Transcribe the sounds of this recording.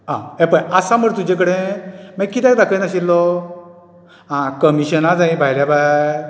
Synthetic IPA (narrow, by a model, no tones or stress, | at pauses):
ɦãɛ̃pəjasaməɽt̪ud͡ʑẽk̬əɽẽmɛ̃kːit̪ãjbakə̃naɕilːɔ | ɦãkəmiɕənad͡zãĩbʱajljabaj